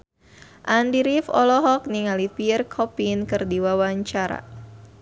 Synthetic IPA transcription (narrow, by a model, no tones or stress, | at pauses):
ʔandiɾifɔ̰lɔɦɔk̚niŋalipiərkʰɔpinkɨrdiwawaɲt͡ʃaɾa̰